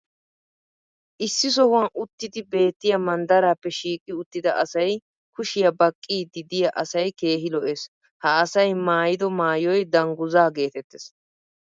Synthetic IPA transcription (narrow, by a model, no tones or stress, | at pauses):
ʔɪsːɪs̬ɔhʊwɐnʊt̪ːɪd̪ɪbe̞ːt̪ːɪjɐmɐnd̪ɐɾaːpːɛʃiːkʼːɪʊt̪ːɪd̪ɐʔɐsɐj | kʊʃɪjɐbɐkʼːiːd̪ɪd̪ɪjɐʔɐsɐjke̞ːɦɪlɔʔes | hɐɐsɐjmaːjɪd̪ɔmaːjɔjd̪ɐŋɡʊzaːɡe̞ːt̪ɛt̪ːes